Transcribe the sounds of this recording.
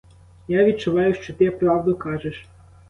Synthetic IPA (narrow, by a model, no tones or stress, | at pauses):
jaʋʲid̪̚t͡ʃʊʋɑjʊʃt͡ʃɔt̪ɪpɾɑwd̪ʊkɑʒɛʃ